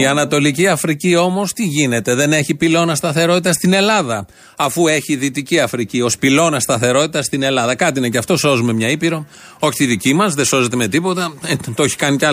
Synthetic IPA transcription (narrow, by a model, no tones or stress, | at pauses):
iɐnɐt̪o̞liciɐfɾicio̞mo̞st̪iʝine̞t̪e̞ðe̞ne̞çipilo̞nɐst̪ɐθe̞ɾo̞t̪it̪ɐst̪ine̞lɐðɐ | ɐfue̞çiðit̪iciɐfɾicio̞spilo̞nɐst̪ɐθe̞ɾo̞t̪it̪ɐst̪ine̞lɐðɐkɐt̪iineceɐft̪o̞so̞zume̞mɲɐipiɾo̞ | o̞çi̥t̪iðicimɐzðeso̞ze̞t̪e̞me̞t̪ipo̞t̪ɐt̪oçi̥kɐnicɐ